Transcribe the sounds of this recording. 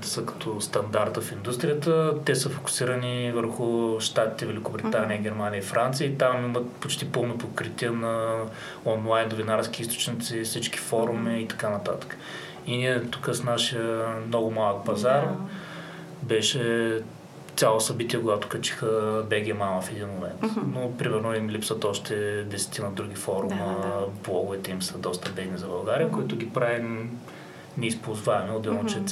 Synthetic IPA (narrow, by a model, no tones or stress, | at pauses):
t̪ɛ̥səkɐ̥t̪ʰɔst̪ɐnd̪aɾt̪əfind̪ust̪ɾijət̪ət̪ɛsəfo̥kʊ̥siɾənivəɾxʊʃt̪at̪i̥t̪ɛvɛlʲikʊbɾit̪aniəɡʲɛɾmaniəifɾʔant̪sijəit̪amimət̪pot͡ʃt̪ipɤlˠnopot̪kɾit̪iənɐ | ɔnlˠaɪnːovinaɾskʲiist̪o̥t͡ʃnit̪sifsit͡ʃki̥fɔɾumiːt̪ɐ̥kanɐt̪at̪ə̥kə̥ | iniɛt̪ukəsnaʃijəmnɔɡʊmalˠək̚pɐzaɾ | bɛʃɛ | t̪sʲalˠosɐbit̪iəkʊɡat̪ʊ̥kɐt͡ʃi̥xəbɛɡʲiəmaməfɛd̪inmomɛ̰nt̪nopɾimɛɾnoimlipsət̪ɔʃt̪ɛd̪ɛsɛ̥t̪inɐd̪ɾuɡʲifɔɾuməblˠɔɡʊvɛt̪ɛimsəd̪ɔst̪əbɛd̪nizɐbɐlˠɡaɾijəkʊit̪ʊɡʲipɾavi | nɛispolˠzvaɛmɛʊd̪ɛlˠnot͡ʃɛ